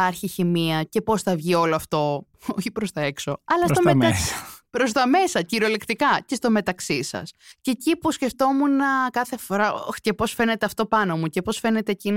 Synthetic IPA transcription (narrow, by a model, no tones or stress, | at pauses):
ɐɾçiçimiɐce̞po̞sθɐvʝio̞loɐft̪o̞ | oçipɾo̞st̪ɐekso̞ɐlɐst̪oeɐpɾo̞s̬t̪ɐme̞sɐciɾolekt̪ikɐce̞st̪o̞me̞t̪ɐksisɐ̰sceːcipusce̞ft̪o̞munɐkɐθe̞fo̞ɾɐo̰ce̞po̞sfe̞ne̞t̪eɐft̪o̞pɐno̞muce̞po̞sfe̞ne̞t̪e̞ːcin